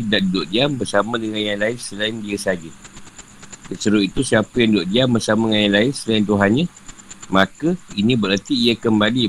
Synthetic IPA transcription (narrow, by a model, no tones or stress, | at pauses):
daʔdʊʔd͡ʒambərsamãdəŋanjaŋlaɪnsəlaɪndiəsad͡ʒə | səsəɾuit̪usiapəjaŋdʊʔdiambərsamaŋanjaŋlaɪnsəlaɪnt̪̬uɦanɲə̃mãkəinĩbəɾət̪iːəkəmbali